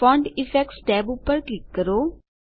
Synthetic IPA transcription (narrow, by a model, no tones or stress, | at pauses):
fɔ̃ɳɖɪfɛk̚ʈsʈɛːbʊpːəɾklɪkːəɾoː